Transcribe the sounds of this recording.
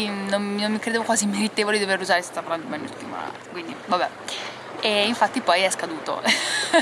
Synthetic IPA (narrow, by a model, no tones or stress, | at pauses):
nomnommːikɾed̪eːvokwaːzimeɾit̪eːvoled̪id̪overːuzaːɾese̥st̪apːaɾland̪omenːost̪ːḭm̰a̰ːt̪e̥kwind̪ivabɛ | eiɱfat̪ːipɔjɛskad̪uːt̪o̰